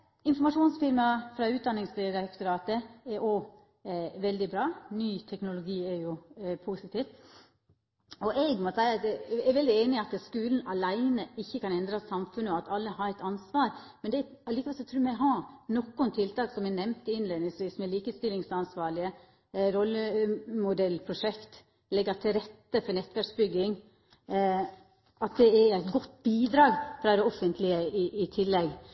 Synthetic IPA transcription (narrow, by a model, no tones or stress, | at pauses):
ɪnfɔɾmɑʂuːnsfɪɾmɑfɾɑʉːt̪̚d̪ɑnɪŋsd̪ɪɾɑkt̪ʊɾɑːt̪əɛʔɔ | ʋɛld̪ɪbɾɑːnyːt̪ʰɛknʊlʊɡiːɛɾjʊpʰuːsɪt̪ʰiːt̪ | ɔʔɛɡmɔsæɪɑɛɾʋɛld̪ɪeːnɪɑt̪skʉːln̩ɑlæɪnəɪçːəkɑnɛnd̪ɾɑsɑmfʉnːəɔɑt̪ɑlːəhɑɾɛɪt̪ɑnsʋɑːɾmɛnd̪ɛɛɑlɪkɑʋɛlsɔt̪ʰɾʉːɾmæɪɦɑnɔkːʊnt̪ʰɪlt̪ʰɑːksɔmɛnɛmnt̪ɪɪnleːnɪsʋiːsmɛliːkəst̪ɪlɪŋsɑnsʋɑːɭɪə | ɾɔlːəmʊd̪ɛlːpʰɾʊʂɛkt̪ | lɛɡɑt̪ʰɪlɾɛt̪ːəfɔɾnɛt̪ːʋæɾksbʏɡːɪŋ | ɑt̪̚d̪ɛɛæɪt̪ɡɔt̪ːbiːd̪ɾɑːɡfɾɑd̪ɛɔfənt̪ʰlɪəɪʔɪt̪ʰɪlːɛɡ